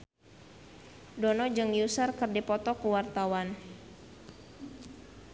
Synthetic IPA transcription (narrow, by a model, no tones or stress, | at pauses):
dɔnɔd͡ʒɨŋjusərkɨrdipɔt̪ɔkuwart̪awan